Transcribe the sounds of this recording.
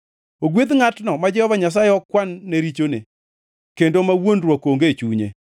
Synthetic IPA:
oɡwet̪ŋatnɔmad͡ʒɛhɔvaɲas̬ajeɔkwanːeɾit͡ʃone | kendomawonɾwakoŋɡet͡ʃuɲḛ

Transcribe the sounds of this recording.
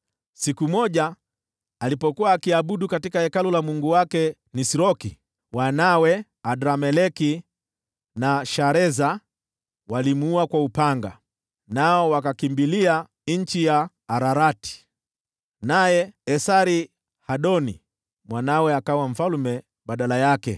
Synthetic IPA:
sikumɔʄaː | lipɔkuwaːkiaɓuɗukatikahɛkalɔlamuŋɡuwakɛ | nisiɾɔki | wanawɛ | adɾamɛlɛki | naʃaɾɛza | walimuuakwaupaŋɡa̰ | naɔwakakimbilia | ɲ̩t͡ʃijaː | ɾaɾati̥ | najɛɛsaɾi | haɗɔnḭ | mwanawɛakawam̩falmɛ | ɓaɗalajakɛ̰

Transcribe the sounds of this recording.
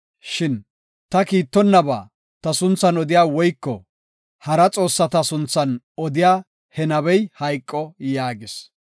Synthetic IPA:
ʃɪn | t̪ɐkiːt̪ːɔnːɐba̰ː | t̪ɐsʊnt͡sːɐnɔd̪ɪjaːwɔjkːɔ̰ | hɐɾɐt͡sʼo̞ːsːɐt̪ɐsʊnt͡sːɐn | ɔd̪ɪjaː | hɛnɐβɛjhɐjkʼːɔjaːɡɪs

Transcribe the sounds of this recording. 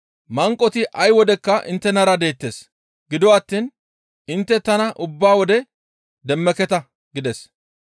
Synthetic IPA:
mɐŋkʼːɔt̪ɪʔɐjwɔd̪ɛkːɐʔɪ̰nt̪ːɛnɐɾɐd̪e̞ːt̪ːeːs | ɡɪd̪ɔwaːt̪ːiːn | ɪnt̪ːɛt̪ɐnɐʔʊbːaːwɔd̪ɛ | d̪ɛmːɛkɛt̪ɐ | ɡɪd̪ɛs

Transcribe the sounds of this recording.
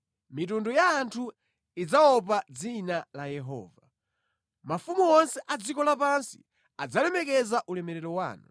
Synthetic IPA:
mit̬undujaːntʰu | id͡zaɔp̬ad͡zinalajɛɦɔ̰ːva | mafumuɔnsɛʔad͡zikɔlapansḭ | ad͡zalɛmɛkɛzaʔulɛmɛɾɛɾɔwa̰ːnṵ

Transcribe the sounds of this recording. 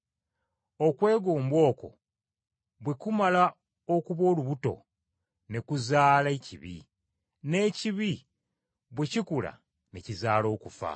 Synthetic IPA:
o̞kwe̞ːɡo̞ːmbwo̞ːko̞̰ | βwe̞kumala | o̞kuβo̞ːluβuto̞̰ | ne̞kuzaːleciβḭ | ne̞ːciβi | βwecikula̰ | ne̞cizaːlo̞ːkufa̰

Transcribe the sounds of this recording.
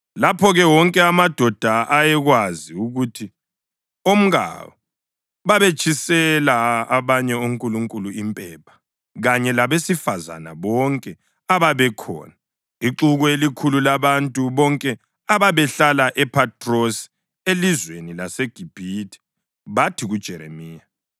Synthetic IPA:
lapʰɔɣɛwɔŋkʼɛamad̥ʱɔd̥ʱaʔajɛɣwaziuɣutʰi | om̩ɣa̰wɔ | βaβet͡ʃʰʼisɛlaaβaɲɛuŋ̩kʼuluŋkʼuluimpʼɛpʰḁ | ɣaɲɛlaβesifaza̰na̰βɔŋkʼɛ | aβaβɛkʰɔ̰ːna | iǁuɣɔelikʰululaβantʼuβɔŋkʼɛ | aβaβɛɬalaʔɛpʰatʰʼrosi̥ | elizwenilaseɡ̥ʱib̥ʱitʰʼi̥ | βatʰiɣud̥ʒ̥ʱɛɾḛmiːja

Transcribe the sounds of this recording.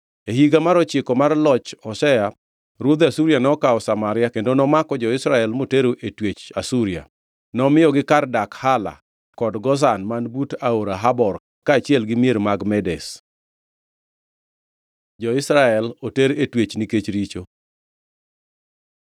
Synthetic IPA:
eɦiɡamaɾɔt͡ʃɪkɔmarlɔt͡ʃɔsɛa | ɾwod̪asuɾjanɔkaɔsamaɾɪakendonɔmakɔd͡ʒɔɪsɾaɛlmoteɾoʔetwet͡ʃasuɾia̰ | nɔmɪjɔɡɪkardakhala̰ | kɔdɡɔs̬anmanbutaoɾaɦabɔr | kaːt͡ʃɪɛlɡɪmijeɾmaɡmɛdɛs | d͡ʒɔɪsɾaɛloteɾetwet͡ʃniket͡ʃɾit͡ʃo

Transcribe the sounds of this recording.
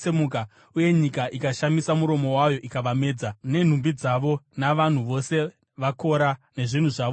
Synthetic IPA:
emuka | uje̞ɲikaʔikaʃamisamuɾo̞mo̞wajo̞ʔikaʋame̞ːd͡zane̞n̤umbid͡zaʋo̞naʋan̤uʋo̞se̞ | ʋako̞ɾane̞ʐin̤uʐaːʋo

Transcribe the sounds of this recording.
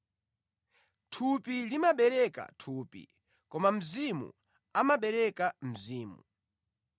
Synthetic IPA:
tʰupilimaɓɛɾɛka̰tʰuːpḭ | kɔmam̩zimṵ | amaɓɛɾɛkam̩ziːmṵ

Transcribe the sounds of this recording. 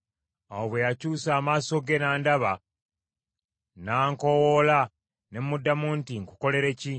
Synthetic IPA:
oβwejacuːsaːmaːso̞ɡe̞naːndaβa | naːŋko̞wola | ne̞mmudːamuːntiŋku̥ko̞le̞ɾe̞ci

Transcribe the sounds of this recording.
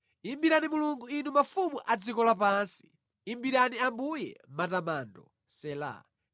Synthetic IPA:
imbiɾanimuluŋɡuinumafumuʔad͡zikɔlap̬ansi̥ː | mbiɾaniambujɛ̰matamandɔ̰ | sɛla̰

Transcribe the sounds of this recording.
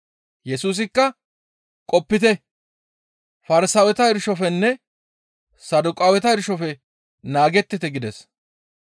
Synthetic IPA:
jɛsuːs̬ɪkːɐ | kʼɔpːɪt̪ɛ | fɐɾɪsɐwɛt̪ɐɪɾʃɔfɛnːɛ | sɐd̪ʊkʼawɛt̪ɐɪɾʃɔfɛ | naːɡɛt̪ːɪt̪ɛɡɪd̪ɛs

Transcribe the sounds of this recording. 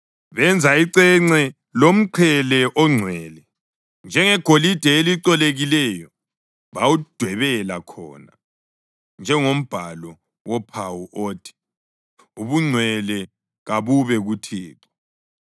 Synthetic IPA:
βɛnd͡zʱaiǀɛŋ͡ǀɛ | lom̩ǃʰɛlɛʔɔŋ͡ǀʱwɛːlɛ | nd͡ʒʱɛŋɛɡ̥ʱolid̥ʱɛeliǀɔleɣilɛjɔ | βawud̥ʱwɛβɛlakʰɔ̰ːna̰ | nd͡ʒʱɛŋom̩b̥ʱalɔ | wɔpʰawuʔoːtʰi̥ | uβuŋ͡ǀʱwɛlɛ | ɣaβuβɛɣutʰiːǁɔ̥

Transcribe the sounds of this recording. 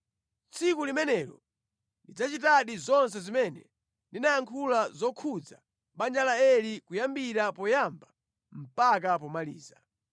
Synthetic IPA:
t͡sʰikulimɛnɛɾɔ̰ | ndid͡zat͡ʃitaɗizɔns̬ɛzimɛnɛ | ndinajaŋkʰulazɔkʰud͡za | ɓand͡ʒalaɛlikujambiɾapɔjamba | m̩pak̬apɔmalḭːza

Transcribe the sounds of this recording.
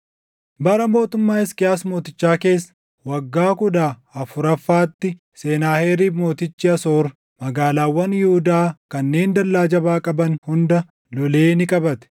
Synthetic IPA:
bɐɾɐmo̞ːt̪ʊmːaːɪskɪjaːsmo̞ːt̪ɪt͡ʃːaːke̞ːsːɐ̥ | wɐɡːaːkʊd̪aːɐfʊɾɐfːaːt̪ːɪ | se̞ːnaːheːɾiːfmo̞ːt̪ɪt͡ʃːɪɐso̞ːɾ | mɐɡaːlaːwːɐnjɪhʊd̪aːkɐnːe̞ːnd̪ɐlːaːd͡ʒɐbaːkʼɐbɐnhʊnd̪ɐ | lɔle̞ːnɪkʼɐbɐt̪ɛ̥

